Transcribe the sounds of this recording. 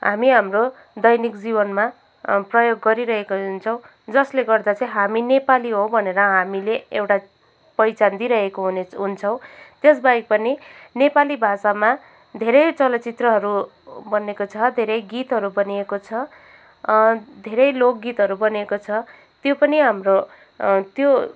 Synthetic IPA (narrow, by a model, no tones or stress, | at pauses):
ɦa̰miɦamro | d̪ʌjnikd͡zibʌnma | prʌjoɡːʌɾiɾʌɦekoɦunt͡sʰʌw̃ | d͡zʌsleɡʌrd̪at͡sʌĩɦaminepaliɦobʱʌneɾʌɦamileewʈa | pʌjt͡sand̪iɾʌɦekoɦuneɦunt͡sʰʌw̃t̪esbaik̚pʌninepalibʱasama | d̪ʱeɾʌjt͡sʌlʌt͡sit̪rʌɦʌɾu | bʌnekot͡sʰʌd̪ʱeɾʌjɡit̪ɦʌɾubʌniekot͡sʰʌ | d̪ʱeɾʌjlok̚ɡit̪ɦʌɾubʌniekot͡sʰʌ | t̪jopʌniɦamro | t̪jo